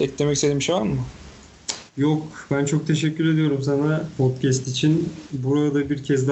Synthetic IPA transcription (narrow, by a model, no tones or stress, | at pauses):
ɛclemɛcised̪imʃoanmʊ | jokbænt͡ʃʰok̚t̪ʰe̞ʃɛcʲːyɾe̞d̪ijo̞ɾums̬anapʰot̪̚cʰæst̪it͡ʃʰinbuɾad̪abiɾcʰɛzd̪